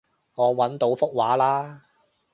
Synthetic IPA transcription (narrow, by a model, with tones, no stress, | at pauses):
ŋɔː˨˧wɐ˨˥nt̪o˨˥wfʊ˥k̚waː˨˥laː˥